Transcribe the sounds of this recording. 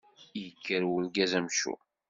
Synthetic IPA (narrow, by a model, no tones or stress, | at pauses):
jəkːəɾwəlɡæzæmʃṵ